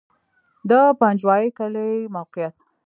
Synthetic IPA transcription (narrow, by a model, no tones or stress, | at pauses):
d̪apand͡ʒwɑjekalemawqɪjat̪